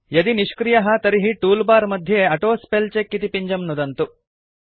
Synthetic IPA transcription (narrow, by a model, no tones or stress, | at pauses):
jɐd̪iniʃkɾijɐɦɐt̪ɐɾiɦiʈuːlbaːɾmɐd̪ʱjeɐʈoːspelt͡ʃekːit̪ipiɲd͡ʒɐmnud̪ɐnt̪u